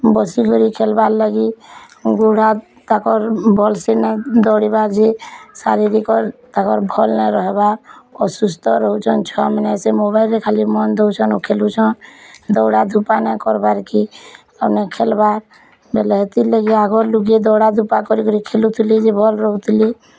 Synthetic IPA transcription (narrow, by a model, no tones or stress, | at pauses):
bɔsikɔɾikʰelbaɾlaɡi | ɡuɽ̤a | t̪akɔɾbʱɔlsenɛd̪ɔɽibaɾd͡ʒesa̰ɾiɾikɔɾt̪akɔɾbʱɔlnɛɾɔɦbaɾɔsust̪ɔɾɔɦut͡ʃʰɔnt͡ʃʰɔamnsemobaɪlekʰalimɔnd̪ɔut͡ʃʰɔnukʰelut͡ʃʰɔnd̪ɔwɽad̪ʱupanɛkɔɾbaɾki | əpnekʰelbaɾ | belɛɦet̪iləɡiaɡɔɾluɡed̪ɔwɽad̪ʱupakɔɾikɔɾikʰelut̪ʰlid͡ʒebʱɔlɾɔɦut̪li